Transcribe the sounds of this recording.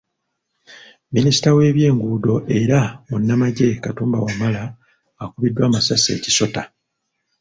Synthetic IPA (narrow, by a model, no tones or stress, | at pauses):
minisi̥tawe̞ːβje̞ːŋɡuːdo̞ʔe̞ɾamunːamaɟe̞katuːmbawamalaː | kuβidːwaːmasase̞̰ːci̥so̞ta